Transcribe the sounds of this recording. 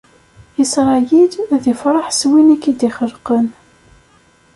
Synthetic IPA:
əsʁˤɑjid̪æðifɾˤɑħswinækːid̪iχəlqən

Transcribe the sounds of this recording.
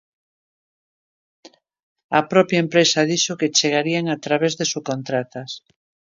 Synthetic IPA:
apɾɔpjaempɾesaðiʃoket͡ʃeɣ̞aɾiaŋat̪ɾaβ̞ezðesukont̪ɾat̪as

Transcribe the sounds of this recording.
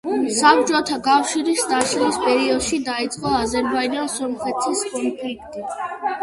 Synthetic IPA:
sabd͡ʒʼɔt̪ʰakʼafʃiɾist̪ʼaʃlispʼɛɾiɔd̪ʃid̪ait̪sʼqʼɔazɛɾbaid͡ʒansɔɾmχɛt̪ʰiskʼɔnpʰlik̚ʰt̪ʼi

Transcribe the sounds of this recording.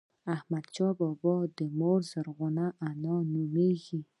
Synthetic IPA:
ahmad̪t͡ʃɑbɔbɔd̪əmoɾzaɾɣʊnaʔanɑnumeɡi

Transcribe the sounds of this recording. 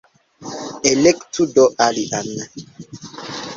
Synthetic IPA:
ʔɛlɛktudɔʔaliʔanːa

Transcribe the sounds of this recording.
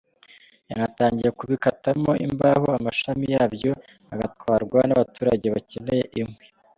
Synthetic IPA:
janataːɲɟije̞kuβikatamo̞ḭmbahoamaʃamijaːβjo̞ | aɡatkwaːɾɡwanaβatuːɾaɟeβace̞ne̞je̞ʔimŋwe̞

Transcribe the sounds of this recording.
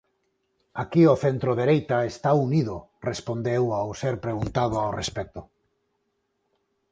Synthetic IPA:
akioθent̪ɾoðeɾejt̪aest̪auniðʊrespond̪ewawseɾpɾeɣunt̪að̞oawrespɛk̚t̪o

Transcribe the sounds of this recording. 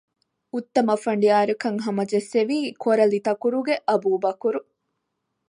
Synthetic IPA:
ut̪ːɐmɐfɐɳɖiaːɾukɐŋɦɐmɐd͡ʒeseʋiːkʰoɾɐlit̪ɐkuɾuɡeʔɐbuːbɐkuɾu

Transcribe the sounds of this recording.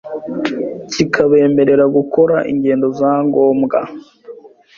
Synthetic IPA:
cikʰaβe̞ːme̞ɾe̞ɾaɡuko̞ɾaʔḭɲɟe̞ːndo̞zaːŋɡo̞ːmɡa̰

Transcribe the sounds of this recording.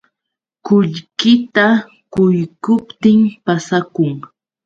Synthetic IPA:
kʊʎkɪt̪a | kʊjkʊpt̪ɪmpasakʊŋ

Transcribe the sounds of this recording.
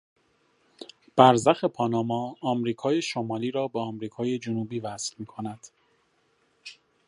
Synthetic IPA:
b̥æɾzæxepʰɒːnɒːmɒːmɾiːkʰɒːjeʃomɒːliːɾɒːbeɒmɾiːkʰɒːje̞d͡ʒonuːbiːvæsfmiːkʰo̞næd̪̥

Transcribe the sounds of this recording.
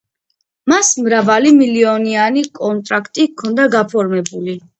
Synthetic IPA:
masmɾavalimiliɔnianikʼɔnt̪ʼɾakʰt̪ʼikʰɔnd̪aɡapʰɔɾmɛbuli

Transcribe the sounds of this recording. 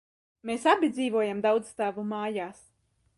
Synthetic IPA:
meːsabʲid̪ziːvuɔjamd̪awd̪zst̪aːvumaːjaːs

